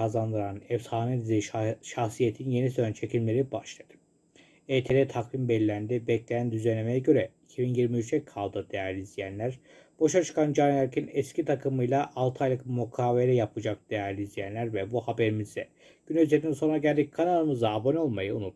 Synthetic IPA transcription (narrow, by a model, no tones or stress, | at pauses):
azand̪ɯɾanɛfsaːned̪iziʃaxsijet̪ʰinje̞nisønt͡ʃʰe̞cʰimlʲe̞ɾibaʃlˠad̪̥ɯ̥ | eːt̪ʰed̪ɛt̪ʰakvimbɛlʲːænd̪ibɛclʲejænd̪yzenʲemejɛɟø̞ɾɛicʰibinjiɾmiyt͡ʃʰɛkʰːalˠd̪ɯd̪ejæɾlʲizlʲijænlʲæɾ | b̥o̞ʃat͡ʃʰɯ̥kʰand͡ʒanæɾcʰinɛscit̪ʰakʰɯmɯjlˠaʔːlˠt̪ʰɯajlˠɯkmukʰaːveɾɛjapʰɯd͡ʒak̚d̪̥ejæɾlʲiːzlʲijænlʲæɾvɛbuhabe̞ɾimizd̪ɛ | ɟ̥ynøzet̪ːinso̞nɾaɟælʲd̪ic̚kʰanaɾˠɯmɯzaːbono̞lˠmajɯunut̪